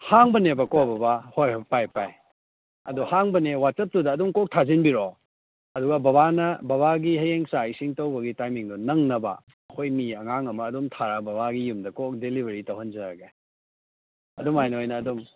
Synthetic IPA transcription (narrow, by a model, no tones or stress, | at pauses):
haŋbɐnebɐkobɐbɐhojbɐpajpaj | ɐ̰duhaŋbɐnewatɐp̚tudɐːdumkok̚tʰazinbiɾo | ɐduɡɐbɐβanɐbɐβaɡihɐjeŋsajsiŋtɐwbɐɡitajmiŋdunɐŋnɐbɐ̰ | ɐkʰojmiɐŋaŋɐmɐːdumtʰaɾabɐβaɡijumdɐkok̚delibʱɐɾitɐwhɐnd͡ʒɐɾɐɡe | ɐ̰dumajnɐojnɐːdum